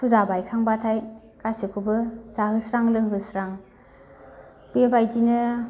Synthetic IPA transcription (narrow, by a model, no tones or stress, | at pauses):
pʰuzabajkʰaŋbatʰaj | kasɯkʰubɯz̥aɦɯsɾaŋlɯŋɦɯsɾaŋ | b̥ebajdinɯ